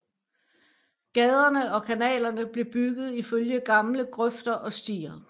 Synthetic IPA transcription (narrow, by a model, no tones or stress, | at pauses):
ɡ̥ɛð̞ˠɐnəʔɒ̽kʰænɛ̰ːlɐnəb̥le̝b̥yɡ̥ð̞̩ˠiføljəɡ̥ɑ̈mləɡ̥ʁœfd̥ɐʔɒ̽sd̥ḭːɐ